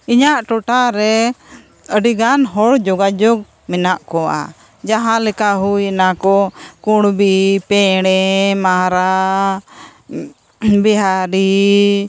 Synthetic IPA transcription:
iɲaʔʈɔʈaɾɛ | əɖiɡanɦɔɽd͡ʒɔɡad͡ʒɔɡ̚ | mɛnaʔkɔa̰ | d͡ʒaɦãlɛkaɦujɛnakɔkuɽbipɛɽɛmaɾa | bɛɦaɾi

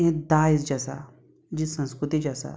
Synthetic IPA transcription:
ɦẽd̪aːisd͡ʒasa̰ | d͡ʒisɐ̃nskɾut̪id͡ʒasa̰

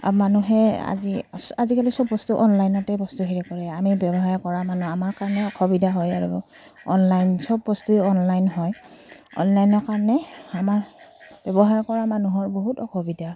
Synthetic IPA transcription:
manuɦɛa̰ziazikalisɔbːɔstuʔɔnlajnɔtɛbɔstuɦiɹɛkɔɹɛamibɛbɔɦaɹkɔɹamanuamaɹkaɹɔnɛɔkʰɔbidʱaɦɔjaɹṵ | ɔ̰nlajnsɔbːɔstujɔnlajnɦɔjɔ̰nlajnɔɹkaɹɔnɛamaɹb̥ɛbɔɦaɹkɔɹamanuɦɔɹboɦutɔkʰɔbidʱa

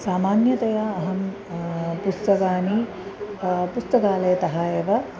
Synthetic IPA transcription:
saːmaːnjɐt̪ɐjaːɐɦɐm | pust̪ɐkaːni | pust̪ɐkaːlɐjɐt̪ɐɦaːjɐʋɐ

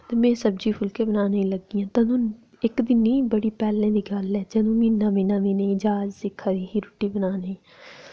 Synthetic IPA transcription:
t̪eːmɛ̃ːsəbd͡ʒiːpʰʊlkẽːbənaːnəĩləɡiːãːt̪ãnũː | ɪkd̪ɪniːbəɽiːpɛːlẽːd̪iːɡəlɛːd͡ʒɛ̃nũːmiːnãːmĩːnãːmĩːneĩd͡ʒaːd͡ʒsɪkʰːaːd̪iːɦiːɾʊʈːiːbənaːnəĩː

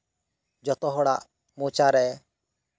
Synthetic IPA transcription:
d͡ʒɔt̪ɔɦɔɽaʔ | moːt͡ʃaɾɛ

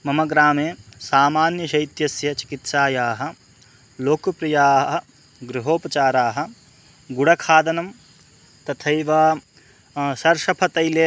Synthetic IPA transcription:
mɐmɐɡɾaːmeːsaːmaːnjɐʃɐjt̪jɐsjɐt͡ʃi̥kit̪ʃaːjaːɦɐ̆ | loːkɐpɾijaːɦɦɐ̆ | ɡɾuɦoːpɐt͡ʃaːɾaːɦɐ̆ | ɡuɽɐkʰaːd̪ɐnɐm | t̪ɐt̪ʰɐjʋaː | sɐɾʂɐpʰɐt̪ɐjleː

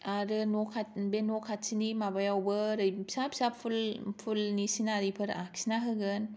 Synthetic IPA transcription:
aɾɯnɔkʰat̚benokʰat̚sinimabajawbɯɾɯjsapsapʰulpʰulnisinaɾipʰɯɾaksinaɦɯɡɯn

